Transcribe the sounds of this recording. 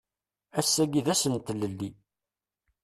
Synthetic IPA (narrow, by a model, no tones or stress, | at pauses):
æsːæɡiðæsənt̪ːləlːi